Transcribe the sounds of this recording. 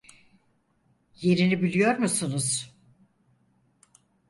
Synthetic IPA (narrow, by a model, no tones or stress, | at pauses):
je̞ɾinibilʲijo̞ɾmusunuz̥